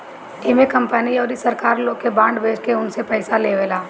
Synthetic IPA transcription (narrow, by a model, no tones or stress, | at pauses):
emekɐ̃mpəniɔːɾisəɾkaːɾloːkebãːɳɖbeːd͡ʒkeʊnsepɛɪsaleʋeːlaː